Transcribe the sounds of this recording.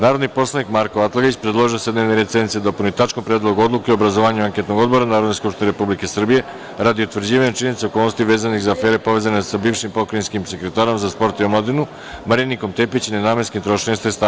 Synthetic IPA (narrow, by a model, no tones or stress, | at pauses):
naːɾod̪nipo̞slˠanikmaɾkoat̪lˠaɡoit͡ɕpɾed̪lˠo̞ʒiosed̪neʋneɾet̪ent̪sied̪o̞pulnuit̪at͡ʃkompɾed̪lˠo̞ɡuo̞d̪lˠukeiobɾazoʋaːɲuaŋke̞t̪noɡo̞d̪bo̞ɾanaːɾod̪neskupʃt̪ineɾepublike̞sr̩bije̞ | ɾad̪iut̪ʋr̩d͡ʑiːʋaɲet͡ʃiɲe̞nit̪seo̞kolnost̪iʋe̞ːzaniɣzaːfe̞ːɾe̞po̞ʋe̞ːzanesabiːʋʃimpo̞kɾainskimse̞kɾe̞t̪aːɾo̞mzaspo̞ɾt̪iomlad̪inu | maɾiniko̞mt̪e̞pit͡ɕinenaːmenskimt̪ɾo̞ʃost̪est̪a